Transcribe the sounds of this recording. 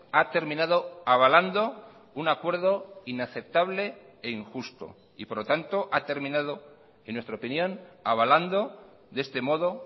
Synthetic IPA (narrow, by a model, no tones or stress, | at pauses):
at̪e̞ɾmĩnaðo̞aβ̞aland̪o̞ | unakwe̞ɾð̞o̞inaθe̞p̚t̪aβ̞le̞ | eiŋxust̪o̞̰ | ḭpo̞ɾlot̪ant̪o̞ʔat̪e̞ɾmĩnað̞o | enwe̞st̪ɾaopinjõ̞naβaland̪o̞ | ðe̞st̪e̞mo̞ðo̞